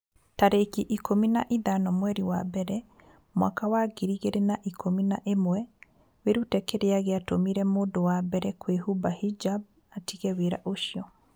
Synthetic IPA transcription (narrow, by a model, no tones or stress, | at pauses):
taɾekiʔikʰominaʔiðanɔmwɛɾiwabɛɾɛ | mwa̰kawaɡiɾiɣeɾenaʔikʰominaʔemwɛ | weɾutɛkeɾeaɣeatomiɾɛmoːdowabɛɾɛkwehubahid͡ʒab̚ | atiɣɛweɾa̰ʔoʃiɔ